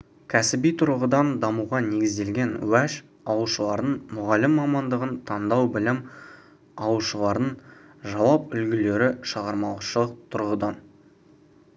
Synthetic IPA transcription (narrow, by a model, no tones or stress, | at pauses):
kʲʰæsɪbijt̪ʰʊɾʁəd̪ɑnd̪ɑmuʁɑne̞ɡʲɪzd̪e̞lɡʲe̞nwæʃ | ɑwuʃəlˠɑɾd̪ənmʊʁɑlɪmːɑmɑnd̪əʁənt̪ʰɑnd̪ɑwbɪlɪm | ɑwuʃəlˠɑɾd̪əɴ | ʒɑwɑpʏlɡʲɪle̞ɾɪʃɑʁɑɾmɑlˠəʃəlˠəq̚t̪ʰʊɾʁəd̪ɑn